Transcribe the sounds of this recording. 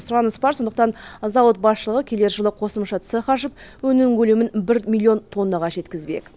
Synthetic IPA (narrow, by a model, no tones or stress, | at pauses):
sʊɾɑnəspɑɾso̞nd̪əqt̪ɑnzɑwət̪̚bɑsʃəlˠəʁəkʲʰe̞le̞ɾʃəlˠəqʰo̞səmʃɑt̪səχɑʃəpwɵnɪŋkʲɵlemɪnbɪɾmʲilʲːio̞nt̪ʰo̞nːɑʁɑʒe̞t̪kʲɪzbḛk